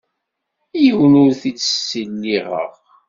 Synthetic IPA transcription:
jəwnʊɾθit͡sːə̥səlːiʁə̰ʁ

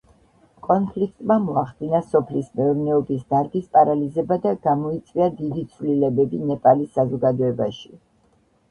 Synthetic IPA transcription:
kʼɔnpʰlik̚ʰt̪ʼmamɔaχd̪̥inasɔpʰlismɛɔɾnɛɔbisd̪aɾɡispʼaɾalizɛbad̪aɡ̥amɔit̪sʼwiad̪id̪it̪sʰvlilɛbɛbinɛpʼalisːazɔɡad̪ɔɛbaʃi̥

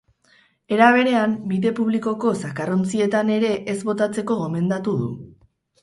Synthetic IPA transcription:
e̞ɾaβ̞e̞ɾe̞ambiðe̞puβ̞liko̞ko̞sakaront͡sie̞t̪ane̞ɾe̞ʔezβo̞t̪at͡se̞ko̞ɣo̞me̞nd̪at̪uðṵ

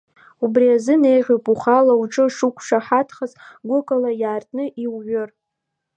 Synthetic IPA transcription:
ubriazɨne̞jʁʲopʼuχalauʈ͡ʂʼɨʂukʷʰʂaħatʰχazɡʷʊkʼalajaːrtʼnɨʔiwʕɨr

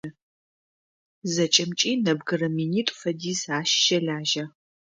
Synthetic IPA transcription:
zɐt͡ʃʼɐmt͡ʃʼiːnɐbɡɨrɐminiːtʼfɐdiːzaːʃʃɐɮaːʒɐ

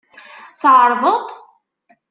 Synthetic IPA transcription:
θʕəɾˤvət̪ˤ

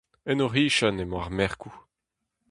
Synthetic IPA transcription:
ɛnoʁiːʃanemwaʁmɛʁku

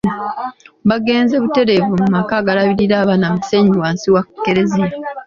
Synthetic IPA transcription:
baɡe̞ːnze̞βute̞ɾe̞vumumakaːɡalaβiɾiɾaːβanamuse̞ɲiwaːnsiwakkːe̞ɾezija

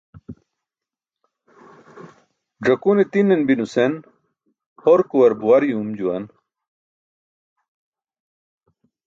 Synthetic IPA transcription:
ʐɐkunet̪inːenbinusen | hoɾkuwɐɾbuwɐɾjumd͡ʑuwɐ̰n

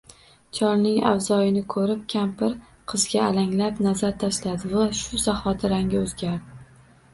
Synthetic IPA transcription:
t͡ʃʰɒɾnɪŋa̰wzɒjɪnɪkʰɵɾɪp̚kʲʰampɪɾ | qʰɨzɡʲaːlaŋlapnazaɾt̪ʰaʃlad̪ɪvaʃʊzaχɒt̪ʰɪɾaŋɡʲaɵzɡʲaɾd̪ɪ

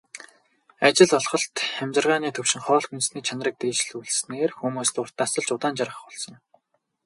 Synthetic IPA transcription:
at͡ɕɪ̆ɮɔɮχɞ̆ɬt̪χæmʲt͡ɕɪ̆rʁaːniːt̪ʰɵwʃɪ̆ŋχɔːɮxunsniːt͡ɕʰanrə̆k̚t̪eːt͡ɕ̆ɮuɮsneːrxumuːst̪ʊr̥t̪ːasə̆ɮt͡ɕʊt̪aːnt͡ɕaɾə̆χ̆χʊɮsɞ̆ŋ

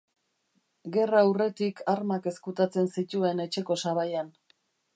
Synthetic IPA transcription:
ɡe̞raːwre̞t̪ikʰaɾmake̞skut̪at͡se̞nsit̪ue̞ne̞t͡ʃe̞ko̞saβajan

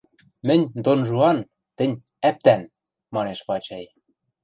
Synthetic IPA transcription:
mɘ̆nʲd̪onʒuɑn | t̪ɘ̆nʲ | æp̚t̪æn | mɑneʃpɑt͡ɕɑj

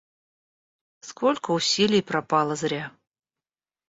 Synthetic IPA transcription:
skʰolʲkəʊsʲilʲɪjpɾɐpɑlˠəzɾʲa

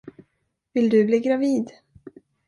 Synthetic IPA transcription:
vɪld̪ɵbliːɡɾaviːd̪

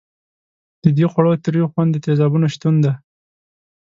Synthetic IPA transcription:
d̪̥əd̪exwaɽot̪əɾjoxwand̪ːət̪ezɑbunoʃt̪und̪a

